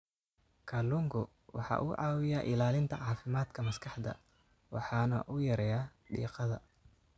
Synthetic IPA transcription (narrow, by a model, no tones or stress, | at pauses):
kʰɐlʊŋɡʊ | wɑ̰ħɑ̰ːʔʊʕɑːwɪjaʔɪlaːlɪnt̪ʰɐʕɑːfɪmaːd̪kʰɐmɐskʰɑħd̪ɐ̰ | wɑ̰ħɑːnɐ̰ʔʊjɐɾɛːjaːɖḭːqɑðɐ̰